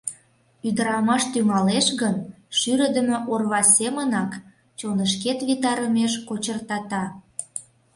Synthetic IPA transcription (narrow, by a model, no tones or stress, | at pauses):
yd̪əɾɑmɑʃt̪yŋɑleʃɣən | ʃyɾə̆d̪ə̆mə̆ʔorβɑsʲemənɑk | t͡ɕonəʃket̪βit̪ɑɾəmeʃkot͡ɕərt̪ɑt̪ɑ